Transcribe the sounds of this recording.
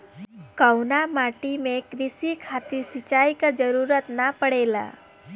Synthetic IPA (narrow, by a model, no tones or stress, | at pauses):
kəwnamaʈimekɾisikʰat̪iɾsit͡ʃajkəd͡ʒəɾuɾət̪napəɽela̰